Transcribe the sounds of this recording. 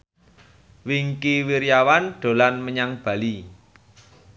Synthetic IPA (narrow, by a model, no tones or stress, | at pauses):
wiŋkiwiɾjawanɖ̥o̤lanməɲaŋb̥ä̤li